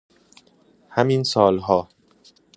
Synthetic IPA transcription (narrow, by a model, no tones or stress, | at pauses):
hæminsɒːlɦɒː